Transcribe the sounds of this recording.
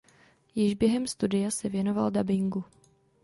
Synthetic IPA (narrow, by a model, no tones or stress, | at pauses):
jɪʒbjɛɦɛmst̪udɪjasɛvjɛno̞valdabɪŋɡu